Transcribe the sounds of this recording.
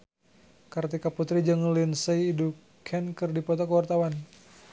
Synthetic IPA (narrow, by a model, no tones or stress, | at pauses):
kart̪ikaput̪ɾid͡ʒəŋlinseiːdu | kʰɛnkɨrdipɔt̪ɔkəwart̪awan